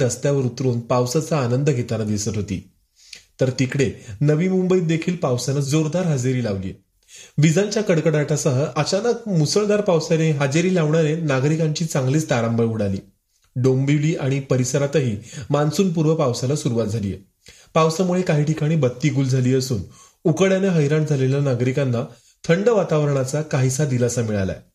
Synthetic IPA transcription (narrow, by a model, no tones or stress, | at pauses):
d̪əst̪jaʋəɾut̪ɾuːnpawsat͡saːnənd̪əɡʱet̪anad̪isət̪ɦot̪ḭː | t̪əɾt̪ikɽenəʋiːmumbəiːd̪ekʰiːlpawsanad͡zoɾd̪aɾɦad͡zeɾiːlaʋlḭjḛ | ʋid͡zãɲt͡ɕjakəɽkəɽaʈʰasəɦəʔət͡ɕanək̚musəɭd̪aɾpawsaneɦad͡zeɾiːlaʋɳanenaɡɾikãɲt͡ɕiːt͡sãŋɡliːt͡st̪aɾãmbəɭuɽaliː | ɖombiliːʔaɽ̃ipəɾisəɾat̪əɦiːmansuːnp̬uɾʋəpawsalasuɾuʋat̪̚d͡zʱalḭjḛ | pawsamuɭekaɦiːʈikaɽ̃iːbət̪ːiːɡuːld͡zʱaliːəsṵːn | ukəɽjanjaɦəjɾaɳd͡zʱaleljanaɡɾikanːa | t̪ʰəɳɖəʋat̪aʋəɾəɳat͡sakaɦisad̪ilasamiɭa̰la̰e